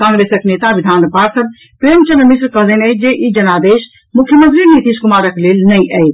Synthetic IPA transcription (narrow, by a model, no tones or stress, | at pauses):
kãːŋɡɾeːsəkneːt̪aʋid̪ʱaːnpaɾsəb | pɾeəmt͡ʃənmisɾkəɦlənəd͡ʒeʔid͡ʒənad̪eːʃ | mukʰjəmə̃nt̪ɾinit̪iskʊmaːɾəkleːlnəjʔət̪